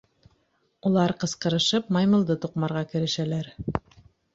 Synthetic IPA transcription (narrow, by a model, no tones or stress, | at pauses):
ulˠɑɾqɤ̆sqɤ̆ɾɤ̆ʃɤpmɑjmɤ̆lˠd̪ɤt̪uqmɑɾʁɑkɘ̆ɾɘ̆ʃælæɾ